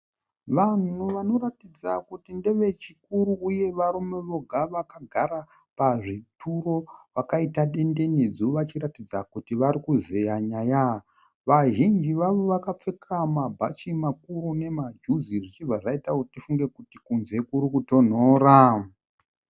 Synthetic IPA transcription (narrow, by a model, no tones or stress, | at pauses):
ʋan̤uʋano̞ɾatid͡zakutindeʋe̞t͡ʃikuɾuːje̞ʋarume̞ʋo̞ɡʱaʋakaɡʱaɾa | paʐitʰuro̞ʋakaitaɗe̞nde̞ned͡zioʋat͡ʃiɾatid͡zakutiʋarikuzejaɲaja | ʋaʒind͡ʒiʋaʋo̞ʋakap͡fe̞kʰamabʱat͡ʃimakurune̞mad͡ʒuziʐit͡ʃivʱaʐaitakutitifuŋɡe̞kutikunze̞kuɾikuto̞n̤oːra